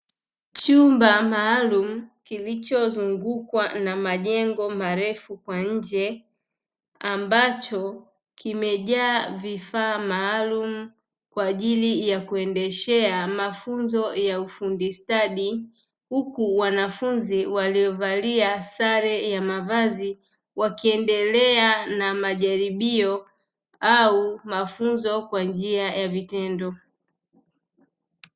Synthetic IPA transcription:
t͡ʃumbamaːlum̩kilit͡ʃɔzuŋɡukwanamaʄɛŋɡɔmaɾɛfukwaɲ̩d͡ʒɛ | ambat͡ʃɔ | kimɛʄaːvifaːmaːlum̩ | kwaːʄilijakuɛndɛʃɛamafunzɔjaufundistaɗi | hukuwanafunziwalijɔvaliasaɾɛjamavazi | wakiɛndɛlɛanamaʄaɾiɓiɔ | aumafunzɔkwand͡ʒiajavitɛndɔ

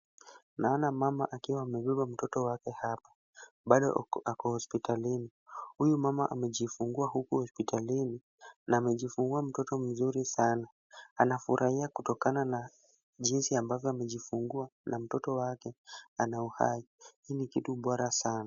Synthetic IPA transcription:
naɔnamama̰ʔakiwaːmɛɓɛɓam̩tɔtɔwakɛhapḁ | ɓaɗɔ̰akɔhɔspitalini | hujumama̰ʔamɛʄifuŋɡuahukuhɔspitʰalini | naːmɛʄifuŋɡuam̩tɔtɔm̩zuɾisana | anafuɾʔahiakutɔkanana | ʄinsiambavjɔamɛʄifuŋɡuanʔam̩tɔtɔwakɛanauha̰ihiːnikituɓɔɾasana

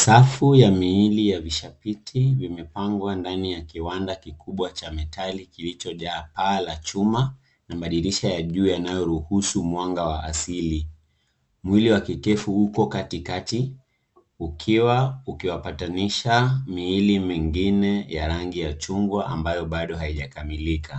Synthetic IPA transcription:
safujamiilijaviʃapitʰivimɛpaŋɡwandanijakiwandakikuɓwat͡ʃamɛtʰalikilit͡ʃɔʄaːpaːlat͡ʃuma | namaɗiɾiʃajaʄuːjanajɔɾuhusumwaŋɡawaʔasili | mwiliwakikɛfuhukɔkatikati | ukʰiwaukiwapataniʃamiːlimɛŋɡinɛjaɾaŋɡijat͡ʃuŋɡwaʔa̰mbajɔɓaɗɔɦaiʄakamilikʰa

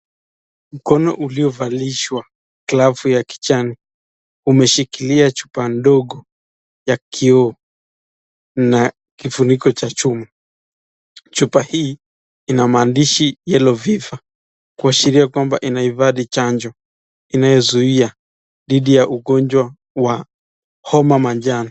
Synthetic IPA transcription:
m̩kɔnɔ̰ʔuliɔvaliʃwa | klavujaki̥t͡ʃani | umɛʃikiliat͡ʃu̥pandɔɠɔ | jakʰiɔ | na | kifunikɔt͡ʃat͡ʃuma | t͡ʃupahiː | inamaːndiʃijɛlɔviva | kuaʃiɾiakwambaʔinahivaɗit͡ʃand͡ʒɔ | inajɔzuia | ðiɗijaʔuɡɔnd͡ʒwa | wa | hɔmamand͡ʒanɔ

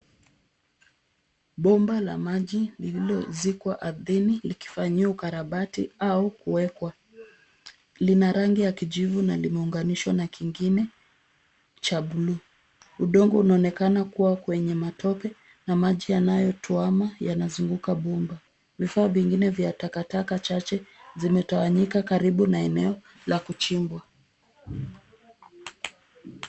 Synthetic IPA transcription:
ɓɔmbala̰maʄilililɔzikwaʔaðiniliki̥faɲiaukaɾaɓatiaukuwɛkwa | linaɾaŋɡijakiʄivunalimɛuŋɡaniʃwanakiŋɡinɛ | t͡ʃaɓulu | uɗɔŋɡɔunaɔnɛkanakuwakwɛɲɛmatʰɔpɛ | namaʄijanajɔtʰuamajanazuŋɡukaɓumba | vifaːviŋɡinɛvjatakatakat͡ʃat͡ʃɛzimɛtawaɲikakaɾiɓunaɛnɛɔ | lakut͡ʃimbwa

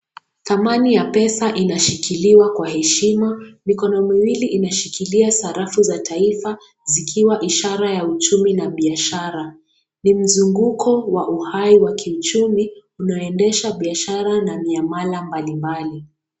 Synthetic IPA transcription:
θamanijapɛsaʔinaʃikiliwakwahɛʃimamikɔnɔmiwiliʔinaʃikiliasaɾafuzatʰaifa | zikʰiwaʔiʃaɾajaut͡ʃuminaɓiaʃaɾa | nim̩zuŋɡukʰɔwaʔuhaiwakʰiut͡ʃumiunaɔɛndɛʃaɓiaʃaɾanamiamalambalimbali

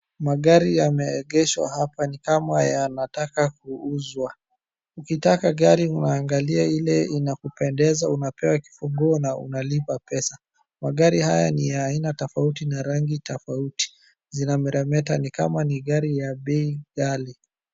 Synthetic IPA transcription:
maɠaɾijamɛɛɠɛʃwa̰hapanikamajanatakakuuzwa | ukitakaɠaɾiunaːŋɡaliailɛinakupɛndɛzaunapɛwaki̥fuɡuɔnaṵnalipapɛsa | maɠaɾihajanijaːinatɔfautinaɾaŋɡitɔfauti̥ | zinamɛɾɛmɛtanikamaniɠaɾijaɓɛiɡali

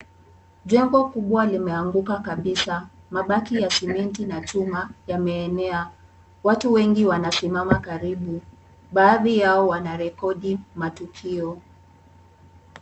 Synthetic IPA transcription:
ʄwɛŋɡɔkuɓwalimɛaŋɡukakaɓisa | maɓakijasimɛntinat͡ʃumajamɛːnɛa | watuwɛŋɡiwanasimamakaɾiɓu | ɓaːðijaɔwanaɾɛkɔɗimatukʰiɔ

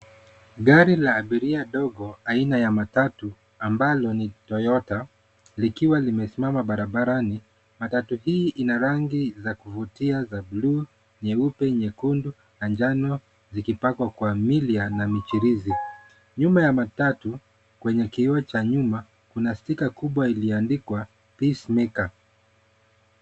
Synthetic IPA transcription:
ɡaɾilaːɓiɾiaɗɔɡɔainajamatatu | ambalɔnitɔjɔta | likiwalimɛsimamaɓaɾaɓaɾani | matatuhiːʔinaɾaŋɡizakuvutiazabluː | ɲɛupɛɲɛkundu | nand͡ʒanɔ | zikipakwakwamilianamit͡ʃiɾizi | ɲumajamatatu | kwɛɲɛkiɔt͡ʃaɲuma | kunastikakuɓwailiandikwa | pismika

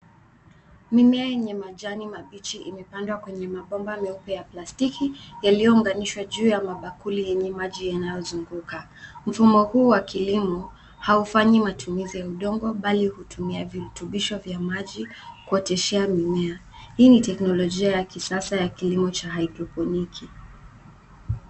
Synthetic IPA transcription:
mimɛajɛɲɛmaʄanimaɓit͡ʃiʔimɛpandwakwɛɲɛmaɓɔmbamɛupɛjaplastikʰijalijɔuŋɡaniʃwaʄuːjamaɓakulijɛɲɛmaʄijanajɔzuŋɡuka | m̩fumɔhuːwakilimɔ | haufaɲimatumizijauɗɔŋɡɔɓalihutʰumiaviɾutuɓiʃɔvjamaʄikuɔtɛʃɛamimɛa | hiːnitɛknɔlɔʄiajakisasajakilimɔt͡ʃaɦajdɾɔpɔnikʰi

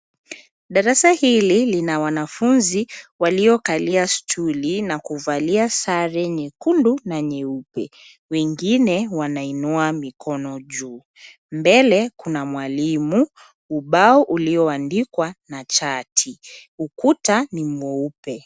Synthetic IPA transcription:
ɗaɾasahililinawanafunziwaliɔkaliastʰulinakuvaliasaɾɛɲɛkundunaɲɛupɛ | wɛŋɡinɛwanainuamikʰɔnɔʄuː | mbɛlɛkunamwalimu | uɓaɔʔuliɔandikwanat͡ʃatʰiukutanim̩ɔupɛ

